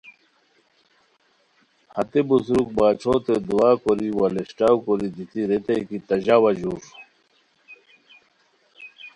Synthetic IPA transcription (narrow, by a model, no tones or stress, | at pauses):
hɐt̪ebuzɾuk̚baːt͡ɕʰot̪ed̪uwaːkoɾiwɐleɕʈawkoɾid̪ʱit̪iɾet̪ɐjkit̪ɐʑawɐʑuːɾ